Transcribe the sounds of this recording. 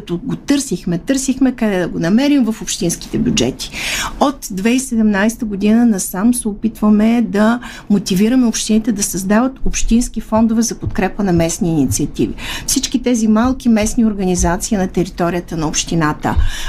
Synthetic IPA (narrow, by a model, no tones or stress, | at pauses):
kɐt̪oɡot̪ɤɾsixmɛt̪ɤɾsixmɛkɐd̪ɛd̪ɐɡonɐmɛɾimvɐfopʃt̪inski̥t̪ɛbʲjud͡ʒɛ̰t̪i̥ot̪d̪vɛisɛd̪ɛmnajst̪əɡod̪inənɐsamsɛopit̪vəmɛd̪ɐ | mot̪iviɾəmɛopʃt̪init̪ɛd̪ɐsɐzd̪avət̪opʃt̪inskifɔnd̪ovɛzɐpot̪kɾɛpənɐmɛsniːnit̪siɐt̪ḭvḭfsit͡ʃkit̪ɛzimalˠkʲimɛsnioɾɡɐnizat̪siinɐt̪ɛɾit̪ɔɾijət̪ənɐopʃt̪inat̪ə̰